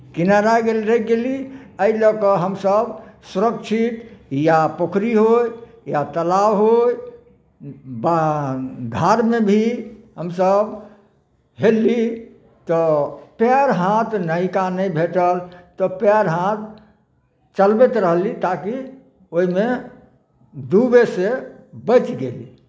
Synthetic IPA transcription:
kinaɾaɡelɾəɡeliəilɔkɔɦəmsəbsuɾəkt͡ʃʰit̪japokʰɾiɦoj | jat̪əlawɦoj | ba | ɡ̪ʱaɾmebʱiɦəmsəb | ɦeli | t̪ɔpɛɾɦãt̪nəikanəjbʱeʈəlt̪ɔpɛɾɦãt̪ | t͡ʃəlbet̪ɾəɦlit̪aki | oɦime | d̪ubesebət͡ʃɡeli

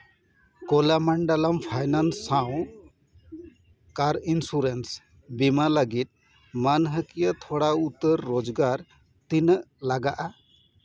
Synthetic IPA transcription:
kɔlamaɳɖalampʰajnansːaw̃ | kaɾinsuɾens | bimaləɡit̪̚ | manɦəkijət̪ʰɔɽaut̪əɾːɔd͡ʒɡaɾ | t̪inəʔlaɡaʔa

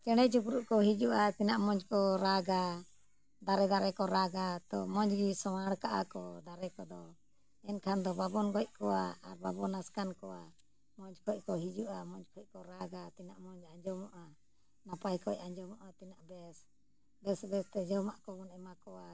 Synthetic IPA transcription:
t͡ʃɛɽɛt͡ʃukɾuʔkɔɦid͡ʒuʔat̪inaʔmɔɲd͡ʒkɔɾaɡa | d̪aɾɛd̪aɾɛkɔɾaɡat̪ɔmɔɲd͡ʒɡisɔwaɽkaʔa̰kɔd̪aɾɛkɔd̪ɔ | ɛnkʰand̪ɔbabɔnɡɔc̚kɔwaaɾbabɔnaskankɔwa | mɔɲd͡ʒkʰɔc̚kɔɦid͡ʒuʔamɔɲd͡ʒkʰɔc̚kɔɾaɡat̪inaʔmɔɲd͡ʒaɲd͡ʒɔmɔʔa | napajkɔʔaɲd͡ʒɔmɔʔat̪inaʔbɛs | bɛsbɛst̪ɛd͡ʒɔwmaʔkɔbɔnɛmakɔwa

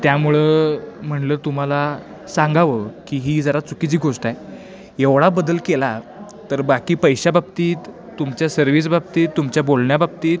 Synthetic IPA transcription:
t̪jamuɭem̤əɳləːt̪um̤ala | sãŋɡʱaʋəkiːɦiːd͡zəɾat͡sukit͡ɕiːɡʱoʂʈaj | eʋɽabəd̪əlkela | t̪əɾbakiːpəjɕababt̪iːt̪ː | umt͡ɕjasəɾʋiːs̬bab̚t̪iːt̪ːumt͡ɕjabolɳjabab̚t̪iːt̪̚

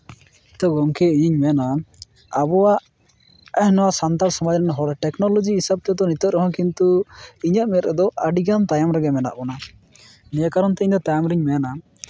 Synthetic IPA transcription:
t̪ɔɡɔŋkɛijiɲmɛna | abɔwaʔ | ɛhnɔwasant̪aɾsɔmad͡ʒɾɛnɦɔɾɛʈɛknɔlɔd͡ʒiːsab̚t̪ɛd̪ɔnit̪ɔt̪ɾɔɦɔ̃kint̪uiɲaʔmɛt̪ɾɛd̪ɔʔaɖiɡant̪ajamɾɛɡɛmɛna̰ʔbɔna | nijakaɾɔnt̪ɛiɲd̪ɔt̪ajamɾiɲmɛna

